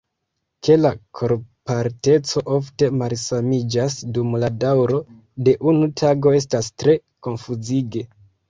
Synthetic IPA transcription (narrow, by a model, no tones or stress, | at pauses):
ke̞lakʰo̞ɾpaɾte̞t͡so̞ʔo̞fte̞malsamid͡ʒasdumladawɾo̞ | de̞ʔunutʰaɡo̞e̞s̬tastɾe̞ | ko̞nfuziɡe̞